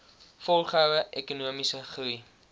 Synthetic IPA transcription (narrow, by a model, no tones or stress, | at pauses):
fɔlˠχəɦœwəʔɛkunuəmisəχɾui